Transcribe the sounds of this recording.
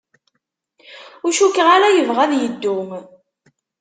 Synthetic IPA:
ʊʃukːʁaɾæjəvʁæðjəd̪ːʊm

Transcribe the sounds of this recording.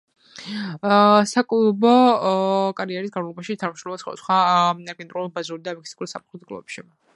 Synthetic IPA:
sakʼulˠɔbɔ | kʼaɾiɛɾisɡanmalˠɔbaʃit̪ʰanmʃɾumɛbasχɔ̰d̪a̰sχwaaɾɡɛnt̪ʼɾulˠbazuɾid̪amɛkʰsikʼuɾisapχlˠɔd̪ɡlˠɔ̰vɛpʃi

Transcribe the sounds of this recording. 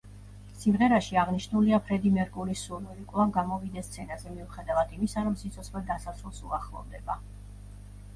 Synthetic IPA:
simʁɛɾaʃiaʁniʃnuliapʰɾɛd̪imɛɾɡʼulisuɾnuɾikʼvlˠaŋɡamɔvid̪ɛst̪sʰɛnazɛmiuχɛd̪avad̪imisaɾɔmsit̪sʰɔt̪sχmɛld̪asasulˠsuaχlˠɔ̰vd̪ɛba

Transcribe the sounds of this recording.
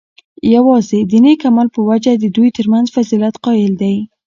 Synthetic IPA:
jawɑzed̪ənekamalpəwad͡ʒad̪əd̪ujt̪əɾmanzfazilat̪qɑjɪld̪aj

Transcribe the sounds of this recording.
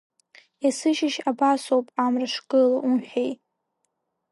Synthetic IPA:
jasɨʃɪʃabasowpʼamraʂkʼɨlaʔunħej

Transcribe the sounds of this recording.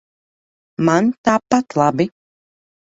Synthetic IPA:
mant̪aːpat̪lˠabi

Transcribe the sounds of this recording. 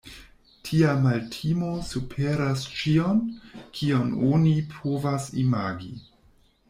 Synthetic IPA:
tʰiamaltʰimosupʰeɾast͡ʃionkʰiononipʰovasimaɡi

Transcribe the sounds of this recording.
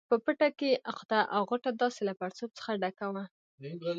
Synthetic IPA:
pəpəʈakeʔaqd̪aʔawɣoʈad̪ɑselapaɾt͡sob̚t͡sə̥xaɖakawa

